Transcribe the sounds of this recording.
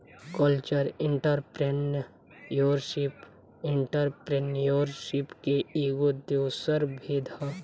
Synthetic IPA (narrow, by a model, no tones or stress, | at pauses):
kəlt͡ʃəɾɪ̃ɳʈəɾpɾen | joːɾʃɪp | ɪ̃ɳʈəɾpɾenjoːɾʃɪpkeiɡod̪ewsəɾbʱeːd̪ʱa